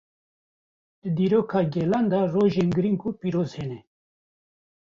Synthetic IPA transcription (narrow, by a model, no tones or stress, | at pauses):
d̪ɨd̪iːɾoːkʰɑːɡɛːland̪aroːʒeːnɡɨɾiŋkupiːɾoːzhenɛ